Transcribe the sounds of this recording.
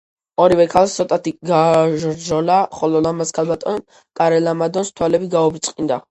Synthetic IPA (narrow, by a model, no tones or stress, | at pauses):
ɔɾivɛkʰalˠst̪sʰɔt̪ʼat̪ʰiɡaʒɾd͡ʒɔlaχɔlɔlamaskʰalˠbat̪ʼɔn | kʼaɾɛlamad̪ɔnst̪ʰwalɛbiɡaubɾit̪sʼqʼind̪a̰